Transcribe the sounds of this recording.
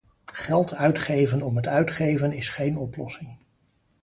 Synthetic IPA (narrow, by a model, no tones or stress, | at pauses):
χɛlˠtʰœɥtχejvənɔmɦətœɥtχejvənɪsχejnɔplɔ̰sɪŋ